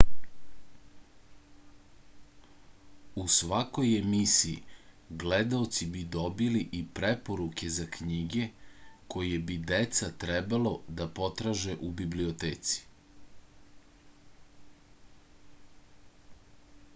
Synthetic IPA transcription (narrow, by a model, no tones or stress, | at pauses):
usʋako̞jemisiḭ | ɡled̪aot̪sibid̪o̞biliʔipɾepo̞ɾuke̞zakɲiɡe̞ko̞jebid̪et̪sat̪ɾebalo̞d̪apo̞t̪ɾaːʒe̞ʔubibliot̪eːt̪si̥